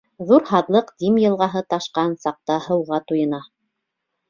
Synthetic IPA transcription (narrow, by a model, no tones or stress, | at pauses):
ðuɾhɑðlˠɤqd̪imjɤ̆lˠʁɑɦɤt̪ɑʃqɑnsɑq̚t̪ɑhɤ̆wʁɑt̪ujɤ̆nɑ